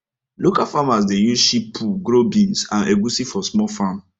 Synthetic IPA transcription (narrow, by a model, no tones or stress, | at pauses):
lokafamas̬dejũʃipʰuɡɾobĩnsãneɡusifɔsmɔlfam